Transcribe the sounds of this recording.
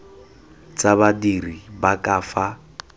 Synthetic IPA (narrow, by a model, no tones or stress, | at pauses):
t͡sʼaβadiribakʼaːfa